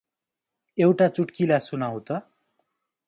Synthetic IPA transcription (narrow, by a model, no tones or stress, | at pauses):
ewʈat͡suʈkilasunaw̃t̪ʌ